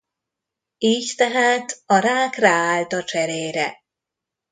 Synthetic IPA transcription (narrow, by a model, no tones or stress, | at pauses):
iːct̪ɛɦaːt̪ɒɾaːkraːaːlt̪ɒt͡ʃɛɾeːɾɛ